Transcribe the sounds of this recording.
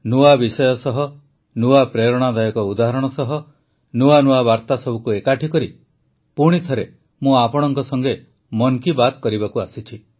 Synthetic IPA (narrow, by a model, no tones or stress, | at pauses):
nuabisɔjɔsɔɦɔ | nuapɾeɾɔɽ̃ad̪ajɔkɔud̪aɦaɾɔɽ̃ɔsɔɦɔ | nuanuabaɾt̪asɔbʱukuekaʈʰikɔɾi | puɽ̃it̪ʰɔɾe | mũapɔɽ̃ɔŋkɔsɔŋɡe | mɔnkibat̪kɔɾibakuasit͡ʃʰi